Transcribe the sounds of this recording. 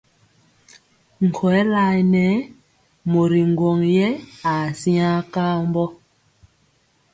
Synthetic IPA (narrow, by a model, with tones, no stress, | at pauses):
ŋ̩˨kʰɔ˨ɛ˦la˦˨jnɛ˦ | mo˨ɾi˨ŋ˨ɡwɔ˨ŋjɛ˦a˨si˦a˦ka˦mbɔ˦